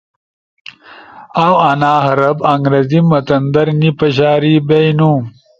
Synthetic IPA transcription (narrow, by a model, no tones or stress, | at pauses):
awɐnaːɦɐɾɐbɐŋɡɾɐzimɐt̪ɐnd̪ɐɾnipɐɕ̬aːɾibejnũː